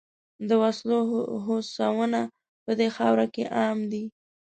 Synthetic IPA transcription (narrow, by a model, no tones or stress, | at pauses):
d̪əwasloɦosawəna | pəd̪exɑwɾakeʔɑmd̪i